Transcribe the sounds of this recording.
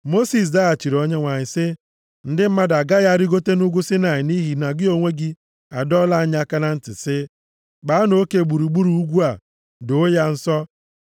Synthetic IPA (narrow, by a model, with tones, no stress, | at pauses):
mo˦si˨s̬da˦a˨t͡ʃi˨ɾo˨ɲe˦ŋʷa˨ɲɪ˨sɪ˦ | n̩˦dɪ˦m̩˦ma˦da˨ɡa˦ja˦˨ɾi˦ɡo˦te˦nu˦ɡʷu˦sɪ˦na˨ɲɪ˨ni˦ɦi˨na˨ɡɪ˦o˨ŋʷe˦ɡi˦ | a˨dɔ˦la˦a˦ɲ˦a˦˨ka˦na˦n̩˦tɪ˨sɪ˦ | ɡ͡ba˨˦a˦no˦ke˨ɡ͡bu˨ɾu˨ɡ͡bu˦ɾu˨u˦ɡʷu˦a˨ | do˦ja˦n̩˦sɔ˦